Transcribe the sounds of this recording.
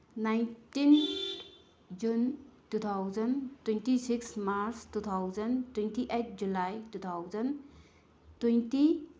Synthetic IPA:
najntin | d͡ʒuntut̪ʰawzəntwentisiksmaɾstut̪ʰawzəntwentiʔet̚ʰd͡ʒulajtut̪ʰawzən | twunti

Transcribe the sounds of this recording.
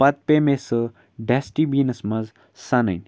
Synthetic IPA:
pɐt̪̚pemesɨ | ɖesʈibiːnɐsmɐz | sɐnə̰jnʲ

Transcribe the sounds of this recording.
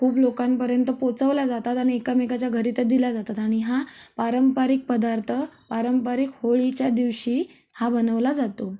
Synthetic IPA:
kʰuːblokampəɾjənt̪əpot͡səʋlad͡zat̪at̪aniekamekat͡ɕjaɡʱəɾit̪əd̪ilad͡zat̪at̪aɽ̃iɦapaɾəmpaɾiːk̚pəd̪aɾt̪ʰəpaɾəmpaɾikhoɭit͡ɕjad̪iʋɕiː | habənəʋlad͡zat̪o

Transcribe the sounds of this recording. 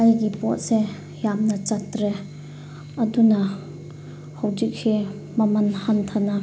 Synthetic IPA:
ajɡipɔ̰t̚se | jamnɐt͡ʃatɾe | ɐdunɐ | hɐwd͡ʒik̚si | mɐmɐnhantʰanɐ

